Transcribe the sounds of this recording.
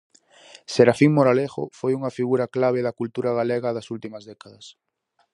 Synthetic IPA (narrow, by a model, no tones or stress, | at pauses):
seɾafiŋmoɾaleɣʊ̰fojuŋɐfiɣuɾɐklaβ̞eðɐkult̪uɾɐɣaleɣɐðɐsult̪imɐzðɛkaðɐs